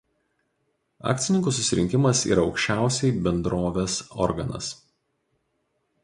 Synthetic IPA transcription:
ɑ̰ːk̚ʲt̪sʲɪnʲɪŋkuːˑs̬ʊsʲɪɾʲɪ̰ŋʲkʲɪmɐsḭːɾɐɒʊkʃʲt͡ʃʲæˑʊsʲɛɪbʲɛnd̪ɾoːʋʲeːsɔ̰ɾɡɐnɐ̰s

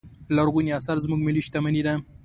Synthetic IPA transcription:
laɾɣuniasaɾzmuɡmɪliʃt̪amanid̪a

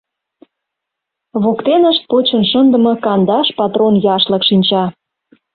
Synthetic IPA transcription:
βokt̪enəʃt̪̚pot͡ɕənʃənd̪ə̆mɤ̆kɑnd̪ɑʃpɑt̪ronjɑʃlə̆kʃinʲt͡ɕɑ

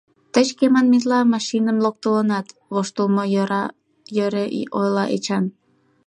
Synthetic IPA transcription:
t̪ət͡ɕkemɑnmit̪̬lɑmɑʃinəmlok̚t̪ələnɑt̪ | βoʃt̪ulˠmoɑ | jøɾeʔojlɑʔet͡ɕɑn

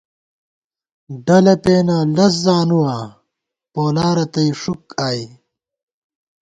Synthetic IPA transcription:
ɖɐlɐpeːnalɐs̬zaːnuwaː | poːlaːɾɐt̪ɐiʂukaːi

